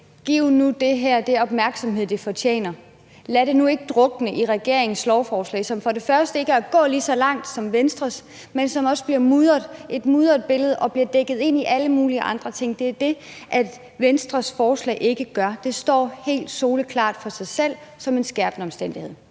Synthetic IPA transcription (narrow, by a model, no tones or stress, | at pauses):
ɡ̥iʊ̰nud̥e̝ɦæɐ̰d̥e̝ɒ̽b̥mæɐɡ̥sɒ̽mɦe̝ð̰ˠd̥ifɒ̽t͡ɕʰjḛːnɐ | læɾe̝nue̝ɡ̥əd̥ʁɔ̽ɡ̥nəʔiʁɛɡ̥e̝ɐ̰eŋn̩slɒʊfɒːslɛ̰ːsɒ̽mfɒ̽ɾe̝fɶɐsd̥əe̝ɡ̥æɐæɡ̥ɔ̰̽ːliːsɒ̽lɑ̈ŋ̰d̥sɒ̽mʋensd̥ʁɐs | mensɒ̽mɒ̽sb̥liɐmuðˠɐðˠʔe̝d̥muːð̞ˠɐðˠb̥e̝ləð̞ˠɒ̽b̥liɐd̥eɡ̥ð̞̩ˠe̝n̰iʔæləmuːliəʔɑ̈nd̥ʁɐt͡sʰe̝ŋ̰d̥e̝æɐd̥e̝ʔæ̥ | ʋensd̥ʁɐsfɒːslɛ̰ɪʔe̝ɡ̥əɡ̥ɶɐd̥e̝sd̥ɒ̰ːhe̝̰ːld̥so̝ːləkʰlɑ̰̈ːd̥fɒ̽sɑ̈ɪsel̰sɒ̽me̝nsɡ̥æɐb̥nəɒ̽msd̥en̰d̥ihe̝ð̰ˠ